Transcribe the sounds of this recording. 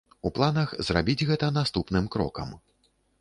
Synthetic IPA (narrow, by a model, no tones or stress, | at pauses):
uplˠanɐxzrabʲid͡zʲɣɛt̪ɐnast̪upnɨmkɾɔ̰kɐ̰m